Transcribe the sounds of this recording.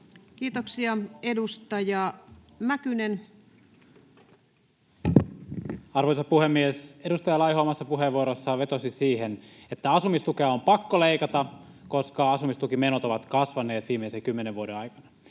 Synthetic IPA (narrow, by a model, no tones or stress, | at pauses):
kiːt̪oksiɑe̞dust̪ɑjɑ | mækynen | ɑrʋojsɑpuhemːiese̞dust̪ɑjɑlɑjɦoːmɑsːɑpuɦeʋʋuoɾosːɑʋe̞t̪o̞sisiːɦenet̪ːæɑsumist̪ukeɑompɑkːole̞ikɑt̪ɑ | ko̞skɑɑsumist̪ukimenot̪o̞ʋɑt̪kɑsʋɑne̞ːt̪ʋiːmːeisekymːeneʋuodeɑjkɑnɑ